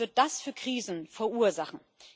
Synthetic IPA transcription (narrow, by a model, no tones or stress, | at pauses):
ɪɐt̚d̥asfyːɐkʁ̥iːzn̩fɛɐʔuːɐzaχn̩